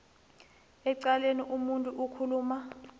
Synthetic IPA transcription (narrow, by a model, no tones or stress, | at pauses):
ɛǀaleniʔumuntʼuʔukʰuluːma